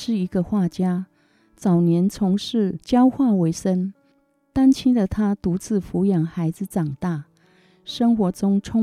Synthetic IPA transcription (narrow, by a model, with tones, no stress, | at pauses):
ʂɻ̩˥˩i˧˥ɡə˧xwa˥˩t͡ɕja˥ | t͡sɑ˨˩ʊnjɛ˧˥nt͡sʰʊ˧˥ŋʂɻ̩˥˩t͡ɕjɑ˥ʊxwa˥˩we˧˥ɪʂə˥n | t̪a˥nt͡ɕʰi˥ŋd̪ə˨t̪ʰa˥t̪u˧˥t͡sɹ̩˥˩fu˧˥jɑ˨˩ŋxa˧˥ɪd͡zɹ̩˧ʈ͡ʂɑ˨˩ŋt̪a˥˩ | ʂə˥ŋxwɔ˧˥ʈ͡ʂʊ˥ŋʈ͡ʂʰʊ˥